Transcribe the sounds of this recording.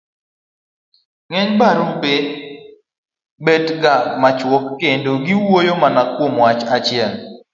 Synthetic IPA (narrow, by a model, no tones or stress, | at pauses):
ŋɛɲbaɾupe | betɡamat͡ʃwɔkːendoɡiwojomanakwomwat͡ʃat͡ʃɪɛl